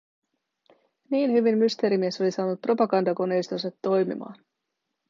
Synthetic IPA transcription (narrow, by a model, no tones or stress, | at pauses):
niːnhyʋimːyst̪e̞ːɾimie̞so̞lisɑːnut̪̚pro̞pɑɡɑnd̪ɑko̞ne̞jst̪onsɑt̪ːo̞jmḭmɑ̰ːn